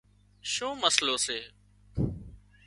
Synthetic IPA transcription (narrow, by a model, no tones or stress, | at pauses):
ʃõːməsloːseː